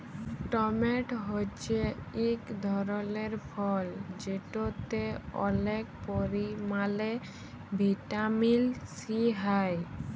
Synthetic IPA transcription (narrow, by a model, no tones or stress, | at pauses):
ʈɔmeʈɦot͡ʃʰeikd̪ʱɔɾɔleɾpʰɔld͡ʒeʈot̪eɔ̰lek̚poɾimale | bʱiʈamilsiɦaj